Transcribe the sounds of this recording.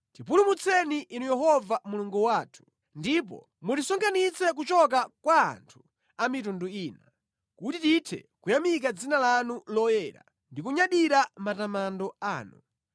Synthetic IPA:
tipulumut͡sʰɛniʔinujɛɦɔvamuluŋɡuwaːtʰu̥ | ndipɔ̰ | mutisɔŋkʰanit͡sɛk̬ut͡ʃɔk̬akwa̰ːntʰu̥ | amitunduiːna | kutititʰɛ̰kujamik̬ad͡zinalanulɔjɛɾa̰ | ndikuɲaɗiɾamatamandɔa̰ːnu

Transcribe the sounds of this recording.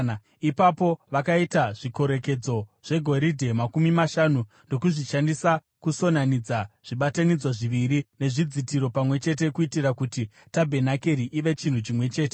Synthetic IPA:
ipapo̞ʋakaitaʐiko̞ɾe̞ke̞d͡zo̞ʐ̥e̞ɡʱo̞ɾidʱe̞makumimaʃanu | ndo̞kuʐiʃandisa | kuso̞nanid͡zaʐ̥iɓatanid͡zwaʐiʋiɾine̞ʐid͡zitiɾo̞pamwe̞t͡ʃe̞t̬e̞kuitirakuti | tabʱe̞nake̞ɾiʔiʋe̞t͡ʃin̤ut͡ʃimwe̞t͡ʃe̞ːte

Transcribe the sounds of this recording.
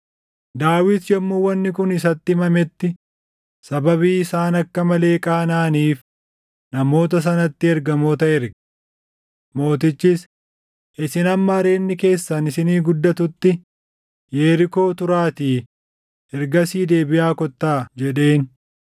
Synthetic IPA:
d̪aːwɪt̪jɛmːuwɐnːɪkʊnɪs̬ɐt̪ːɪmɐmɛt̪ːɪ | sɐbɐβiːɪsaːnɐkːɐmɐle̞ːkʼaːnaːniːf | nɐmo̞ːt̪ɐs̬ɐnɐt̪ːɪɛɾɡɐmo̞ːt̪ɐɛɾɡɛ̥ | mo̞ːt̪ɪt͡ʃːɪs | ʔɪsɪnɐmːɐɐɾe̞ːnːɪke̞ːsːɐnɪsɪniːɡʊd̪ːɐt̪ʊt̪ːɪ | jeːɾɪko̞ːt̪ʊɾaːt̪iː | ɛɾɡɐsiːd̪e̞ːbɪjaːkɔt̪ːaːd͡ʒɛᶑe̞ːn

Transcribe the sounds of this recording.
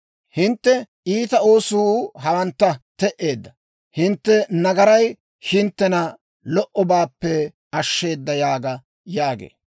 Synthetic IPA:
hɪnt̪ːɛʔiːt̪ɐo̞ːsuːɦɐwɐnt̪ːɐt̪ɛʔe̞ːd̪ːɐ | hɪnt̪ːɛnɐɡɐɾɐj | hɪnt̪ːɛnɐ | lɔʔɔbaːpːɛ | ɐʃːe̞ːd̪ːɐjaːɡɐ | jaːɡḛː

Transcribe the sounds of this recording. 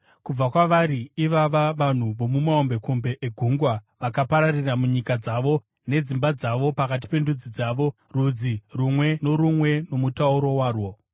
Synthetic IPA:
kub͡vakwaʋaɾiiʋaʋaʋan̤uʋo̞mumaombe̞ko̞mbe̞ʔeɡʱuŋɡwaʋakapaɾariramuɲikad͡zaʋo̞ | ne̞d͡zimbad͡zaʋo̞pakat̬i̥pe̞ndud͡zid͡zaːʋo̞ | ruːd͡zirumwe̞no̞ɾumwe̞no̞mutauɾo̞waːrwo̞

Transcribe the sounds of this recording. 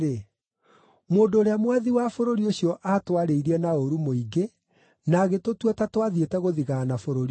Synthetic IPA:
e | moːndoːɾeamwaðiwafoɾoɾioɕijɔʔatwaɾeiɾiɛnaoɾumoiɡe | naɣetotwɛtatwaðietɛɣoðiɣanafoɾoɾi

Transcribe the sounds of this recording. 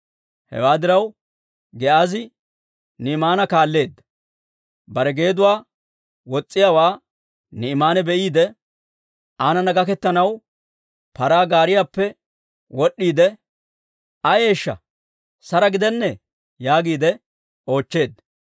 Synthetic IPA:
hɛ̰waːd̪ɪɾɐw | ɡɛʔaːzɪ | nɪɪmaːnɐkaːlːe̞ːd̪ːɐ | bɐɾɛɡe̞ːd̪ʊwaː | wɔt͡sʼːɪjaːwaː | nɪmaːnɛbɛʔiːd̪ɛ | aːnɐnɐɡɐkɛt̪ːɐnɐw | pɐɾaːɡaːɾɪjaːpːɛ | wɔɗːiːd̪ɛ | ɐje̞ːʃːɐ̰ | sɐɾɐɡɪd̪ɛnːɛ | jaːɡiːd̪ɛ | o̞ːt͡ʃːe̞ːd̪ː

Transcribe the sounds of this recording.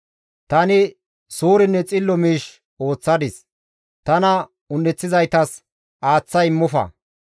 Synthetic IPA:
t̪ɐnɪ | suːɾɪnːɛt͡sʼɪlːɔmiːʃ | o̞ːt͡sːɐd̪ɪs | t̪ɐnɐ | ʊnːɛt͡sːɪzɐjt̪ɐs | ʔaːt͡sːɐjɪmːʊfɐ̰

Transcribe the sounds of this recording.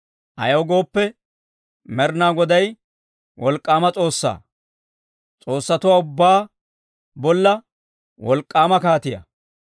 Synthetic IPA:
ʔɐ̰jɐwɡo̞ːpːɛ | mɛɾnaːɡɔd̪ɐj | wɔlkʼːaːmɐt͡sʼo̞ːsːa̰ː | t͡sʼo̞ːsːɐt̪ʊwaːʊbːaː | bɔlːɐ | wɔlkʼːaːmɐkaːt̪ɪjɐ̰

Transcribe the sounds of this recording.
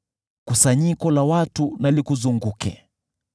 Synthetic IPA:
kusaɲikɔlawatunalikuzuŋɡukʰɛ̰

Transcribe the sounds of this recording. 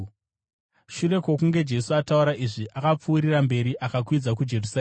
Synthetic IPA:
ʃure̞kwo̞kuŋɡe̞d͡ʒe̞suatauɾaʔiʐiʔakap͡fuːɾirambe̞ɾiʔakakwid͡zakud͡ʒe̞rusa

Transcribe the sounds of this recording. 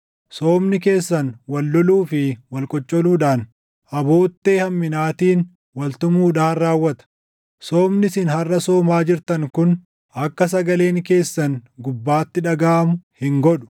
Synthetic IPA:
soːmnɪke̞ːsːɐnwɐlːɔluːfɪwɐlkʼɔt͡ʃʼːɔluːᶑaːn | ʔɐbo̞ːt̪ːe̞ːhɐmːɪnaːt̪iːn | wɐlt̪ʊmuːᶑaːnraːwːɐt̪ɐ̥ | soːmnɪsɪnhɐrːɐsoːmaːd͡ʒɪɾt̪ɐŋkʊn | ɐkːɐs̬ɐɡɐle̞ːŋke̞ːsːɐnɡʊbːaːt̪ːɪᶑɐɡaːʔɐmʊhɪŋɡɔᶑʊ̥

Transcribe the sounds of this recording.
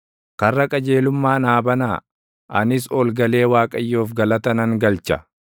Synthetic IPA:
kɐrːɐkʼɐd͡ʒe̞ːlʊmːaːnaːbɐnaː | ʔɐnɪs̬oːlɡɐle̞ːwaːkʼɐjːoːfɡɐlɐt̪ɐnɐŋɡɐlt͡ʃɐ̰

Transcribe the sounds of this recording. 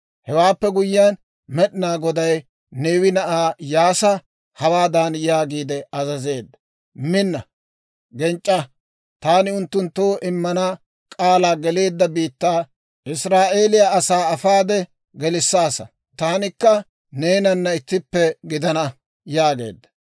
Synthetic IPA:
hɛwaːpːɛɡʊjɪaːn | mɛɗɪnaːɡɔd̪ɐj | neːwɪnɐʔaːjaːsɐ | hɐwaːd̪aːnjaːɡiːd̪ɛɐzɐze̞ːd̪ːɐ | mɪnːɐ | ɡɛnt͡ʃʼːɐ | t̪aːnɪʊnt̪ːʊnt̪ːoːʔɪmːɐnɐ | kʼaːlaːɡɛle̞ːd̪ːɐbiːt̪ːaː | ʔɪsɾaːʔeːlɪjaɐsaːɐfaːd̪ɛ | ɡɛlɪsːaːsɐ̰ | t̪aːnɪkːɐ | neːnɐnːɐɪt̪ːɪpːɛɡɪd̪ɐnɐ | jaːɡe̞̰ːd̪ːɐ̥

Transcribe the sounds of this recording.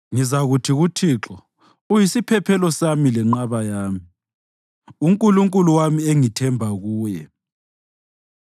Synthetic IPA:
ŋizaɣutʰiɣutʰiːǁɔ | ujisipʰɛpʰɛlɔsamilɛŋ͡ǃaβajaːmi | uŋkʼuluŋkʼuluwamieŋitʰɛmbʱaɣuːjɛ̰

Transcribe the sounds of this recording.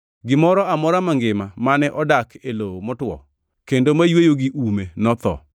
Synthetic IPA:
ɡɪmɔɾɔamɔɾamaŋɡɪmamanɛʔɔdakʰelomɔtwɔ̰ | kendomajwejoɡɪʔumenɔt̪ɔ̰

